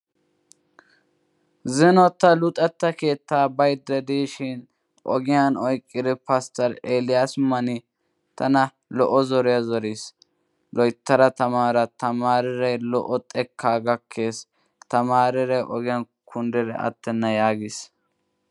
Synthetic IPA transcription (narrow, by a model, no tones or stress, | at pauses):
zɪnɔt̪ːɐlʊt̪ʼɛt̪ːɐke̞ːt̪ːaːbɐjd̪ːɛd̪iːʃɪn | ʔɔɡɪjanɔjkʼːɪd̪ɛpɐst̪ɐɾelɪjasmɐnɪ | t̪ʰɐnɐ | lɔʔɔzɔɾɪjɐzɔɾis | lɔjt̪ːɐɾɐt̪ɐmaːɾɐt̪ɐmaːɾɪɾɛjlɔ̰ʔɔt̪ʼɛkʰːaːɡɐkʰːe̞ːs | t̪ɐmaːɾɪɾɛjʔɔ̰ɡɪjɐn | kʰʊnd̪ɛɾɛ̰ʔɐ̰t̪ːɛnːɐjaːɡɪs